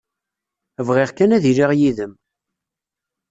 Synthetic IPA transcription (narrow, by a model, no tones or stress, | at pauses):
əvʁɪʁkænæðiɾiʁjiðəm